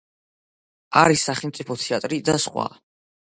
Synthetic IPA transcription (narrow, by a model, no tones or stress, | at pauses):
aɾisːaχɛlmt̪sʼipʰɔt̪ʰiat̪ʼɾid̪asχwa̰